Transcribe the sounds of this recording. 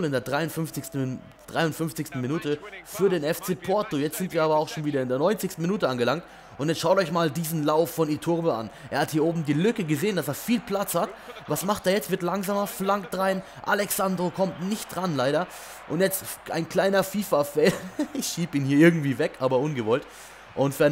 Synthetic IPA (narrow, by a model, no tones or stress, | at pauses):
lɪndeːɐdʁaɪʊnfʏnft͡sɪstn̩ | d̥ʁaɪʊntfʏnft͡sɪçstn̩minuːtəfyːɐɾeːnɛft͡seːpʰɔɐtojɛt͡stz̥ɪntv̥iːɐaːbɐaʊxʃoːnviːdɐɪndeːɐnɔʏnt͡sɪçstn̩minuːtəanɡəlaŋkt | ʔʊntjɛt͡stʃaʊtɔʏçmaːldiːzn̩laʊfːɔniːtʰʊʁbəa̰nʔeːɐhathiːɐʔoːbm̩diːlʏkəɡəzeːəndaseːɐfiːlpl̥at͡shatvasmaχteːɐjɛt͡stv̥ɪɐtlaŋzaːmɐflaŋkd̥ʁaɪn | ʔa̰lɛksandʁokʰɔmtnɪçt̚d̥ʁanlaɪɾɐ | ʔʊntjɛt͡stʔa̰ɪnkl̥aɪnɐfiːfafɛːlɪçʃiːbiːnhiːɐɪɐɡŋ̩tv̥iːvɛkʔaːbɐʔʊnɡəvɔlt | ʔʊntfyːɐ